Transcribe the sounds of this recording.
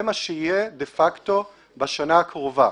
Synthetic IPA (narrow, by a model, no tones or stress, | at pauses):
emaʃeijedefakt̪o̞ | baʃanaːkʁova